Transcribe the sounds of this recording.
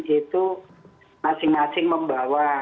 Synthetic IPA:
t͡ʃit̪u | masɪŋmasɪŋməmbawa

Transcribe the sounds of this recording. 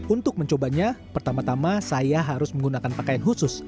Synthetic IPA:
unt̪ʊk̚məɲt͡ʃobaɲapərt̪amat̪amasajaɦaɾʊsməŋɡunakanpakajanɦusʊs

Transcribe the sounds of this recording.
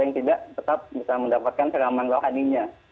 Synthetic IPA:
ŋt̪idaʔt̪ət̪ap̚bisaməndapat̪̚kansəlamanloɦaniɲa

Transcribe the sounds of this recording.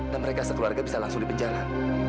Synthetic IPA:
danməɾekasəkəluarɡabisalaŋsʊŋdipəɲd͡ʒaɾa

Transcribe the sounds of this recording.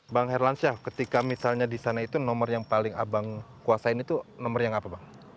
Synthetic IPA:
baŋhɛrlansakət̪ikamisalɲadisanait̪unɔmərjaŋpalɪŋa̰baŋkuasaɪnit̪unɔmərjaŋapabaŋ

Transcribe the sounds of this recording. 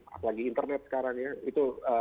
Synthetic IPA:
a̰palaɡiːnt̪ərnɛt̪̚sə̥kaɾaŋjait̪uə

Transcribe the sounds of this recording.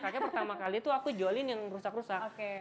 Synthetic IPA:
kad͡ʒapərt̪amakaliːt̪uakud͡ʒolɪnjaŋrusakrɾusakoke

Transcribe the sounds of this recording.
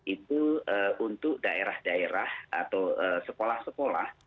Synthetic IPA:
ʔit̪uəunt̪ʊk̚daeɾahdaeɾaha̰t̪awəsəkolahsəkola̰h

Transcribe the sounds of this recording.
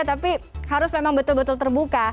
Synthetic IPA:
t̪apihaɾʊsmemaŋbət̪ʊlbət̪ʊlt̪ərbuka

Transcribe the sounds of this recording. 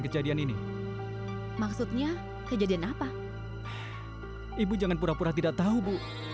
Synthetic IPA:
kəd͡ʒadianini | maksut̪̚ɲa | kəd͡ʒadianapa | ibud͡ʒaŋanpuɾapuɾat̪idaʔ̚t̪aubu

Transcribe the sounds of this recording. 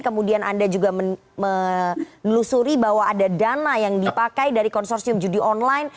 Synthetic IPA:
kəmudiana̰ndad͡ʒuɡamə | mənlusuɾibaɦwaːdadanajaŋdipakajdaɾikɔnsɔrsiʊmd͡ʒudiʔɔnlajn

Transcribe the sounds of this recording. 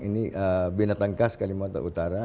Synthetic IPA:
iniʔəbinat̪aŋkaskalimat̪a̰ut̪aɾa

